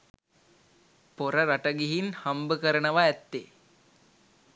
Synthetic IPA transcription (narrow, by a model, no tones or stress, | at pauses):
poɾəɾaʈəɡiɦinhambəkəɾənəʋaæt̪ːe